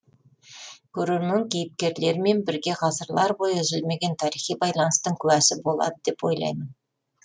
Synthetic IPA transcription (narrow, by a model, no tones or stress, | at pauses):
kʲʰɵɾeɾmɪŋkʲʰejɪp̚kʲe̞ɾle̞ɾme̞nbɪɾɡʲe̞ʁɑsəɾlˠɑɾbo̞jəʏzɪlme̞ɡʲe̞nt̪ʰɑɾijχijbɑjlˠɑnəst̪əŋkʲʰʉwæsɪbo̞lˠɑ̰d̪əd̪e̞pwo̞jlˠɑ̰jmən